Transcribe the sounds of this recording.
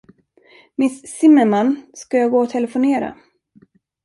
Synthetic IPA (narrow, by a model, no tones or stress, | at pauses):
mɪssɪmːəmanːskajɑːɡoːɔt̪ʰɛləfʊneːɾa̰